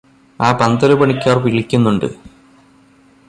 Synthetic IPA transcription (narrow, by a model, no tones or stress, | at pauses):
aːpɐnd̪ɐlubɐɳikʲːaːrpiɭikʲːunːuɳɖɨ̰